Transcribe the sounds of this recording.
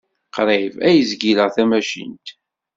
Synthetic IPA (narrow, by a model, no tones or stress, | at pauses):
qɾˤevæjəzɡiləʁθæmæʃḭnt̪